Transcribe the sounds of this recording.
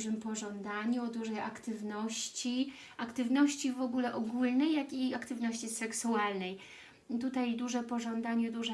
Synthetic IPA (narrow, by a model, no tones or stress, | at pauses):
ʐɘmpɔʐɔnd̪aɲuɔd̪uʐɛjʔakt̪ɘvnɔɕt͡ɕi | akt̪ɘvnɔɕt͡ɕivɔɡulɛʔɔɡulnɛjːakiakt̪ɘvnɔɕt͡ɕisɛksualnɛj | t̪ut̪ajd̪uʐɛpɔʐɔnd̪aɲɛd̪uʐɛ